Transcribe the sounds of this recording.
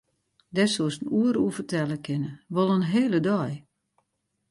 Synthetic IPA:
dɛsosənuəɾuəfərtɛlˠəkʰɪnəʋɔlˠənɦeːlədɔj

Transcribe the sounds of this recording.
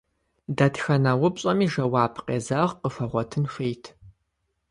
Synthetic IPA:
dɐtxɐnawʊpɕʼɐmiːʒɐwaːbʰqḛːzɐʁqəfɐʁʷɔtʰɨnxeːjtʰ

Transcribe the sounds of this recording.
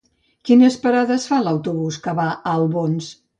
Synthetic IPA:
kinəspəɾaðəsfalawt̪uβuskəβaʔəlˠβons

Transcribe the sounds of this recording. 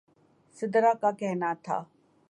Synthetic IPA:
sɪd̪ɾakakɛɦnat̪ʰa̰ː

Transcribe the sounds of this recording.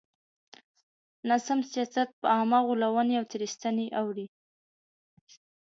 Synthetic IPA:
nasamsijɑsat̪̚pəamaɣulawəneawt̪eɾist̪aneʔawɾi

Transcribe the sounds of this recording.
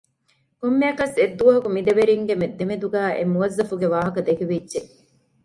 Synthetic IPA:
komːejɐkɐsed̪ːuʋɐɦɐkumid̪eʋeɾiŋɡemed̪ːemed̪uɡæːʔḛmuʋɐzːɐfuɡeʋaːɦɐkɐd̪ekeʋidːʒe

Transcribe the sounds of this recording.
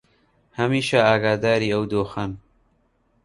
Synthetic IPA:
hɐmiːʃɐaːɡaːd̪aːɾiːɐwd̪oːxɐn

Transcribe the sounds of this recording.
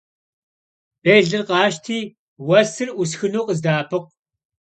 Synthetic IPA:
b̥eːɮɨrqɑːʃtʰiː | wɐsɨrʔus̬xɨnuːqʼəzdaːpʰɨq̚

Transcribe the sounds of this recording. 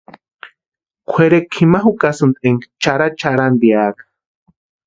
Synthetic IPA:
kʷʰeɾekʰimaɦukasɨnt̪ʼeŋt͡ʃaɾat͡ʃaɾand̪iaːkḁ

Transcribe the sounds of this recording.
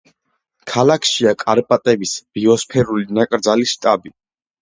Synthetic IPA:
kʰalakʰʃiakʼaɾpʼat̪ʼɛbisb̥iɔspʰɛɾulinakʼɾd̪zaliʃt̪ʼabi

